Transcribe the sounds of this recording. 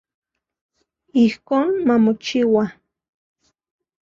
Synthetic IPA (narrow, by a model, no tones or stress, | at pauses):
ihkoːnmamot͡ʃiwa